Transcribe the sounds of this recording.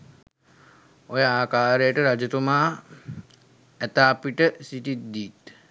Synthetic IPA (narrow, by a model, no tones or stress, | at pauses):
ojəaːkaːɾejəʈəɾad͡ʒət̪umaː | æt̪aːpiʈəsiʈit̪d̪iːt̪